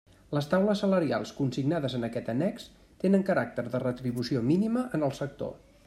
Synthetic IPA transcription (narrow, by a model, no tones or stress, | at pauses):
ləst̪awləsːələɾia̰lˠskunsiɡnaðəzənəkɛt̪ənɛks | t̪enəŋkəɾak̚t̪əɾðərət̪ɾiβusiominiməʔənəlˠsək̚t̪o̰